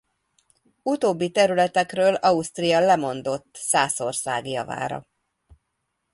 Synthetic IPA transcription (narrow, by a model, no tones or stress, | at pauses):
ut̪oːbːit̪ɛɾylɛt̪ɛkrøːlɒust̪rijɒlɛmo̞n̪d̪o̞t̪ːsaːso̞rsa̰ːɡjɒ̰va̰ːɾɒ̰